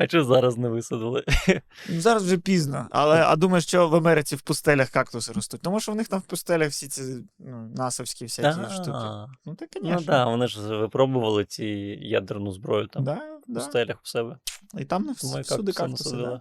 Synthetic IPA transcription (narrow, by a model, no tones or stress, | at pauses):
ɐt͡ʃɔzɑɾɐznɛʋɪsɐd̪ɪlˠɪnuzɑɾɐzwʒɛpʲiznɐɐ̰lˠɛɐ̰d̪umɐjʊʃt͡ʃɔʋɐmɛɾɪt͡ssʲiwpʊst̪ɛlʲɐxkɑkt̪ʊsɾɔst̪ut̚ʲt̪ɔmuʃɔʋnɪxt̪ɑmwpʊst̪ɛlʲɐxfsʲit͡sʲinunɑsɐwsʲkʲifsʲaiʃɔinut̪akkːɐnʲnid̪ɑʋɔnɪʒʋɪpɾɔbʊʋɐlˠɪt͡sʲija̰d̪ernʊzbɾɔjʊt̪amd̪adp̪ʊst̪ɛlʲɐxʊ̥sɛbɛit̪ɑmnɛsʲud̪ɪkɑnʊsɐd̪ɪlˠɪ